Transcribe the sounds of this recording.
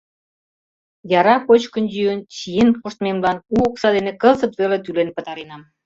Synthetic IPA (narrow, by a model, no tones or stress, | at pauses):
jɑɾɑkot͡ɕkənd͡ʑyjənt͡ɕijenkoʃt̪memlɑnuoksɑd̪enekə̆lzə̆t̪βelet̪ylenpə̆t̪ɑɾenɑm